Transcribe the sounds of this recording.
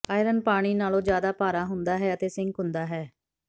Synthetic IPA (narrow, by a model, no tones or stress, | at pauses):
aːɪɾənpaːɽ̃iːnaːlõːd͡ʒjaːd̪aːpaːɾaːɦʊnd̪aːɦɛːət̪eːsɪ̃ŋɡɦʊ̃nd̪aːɦɛː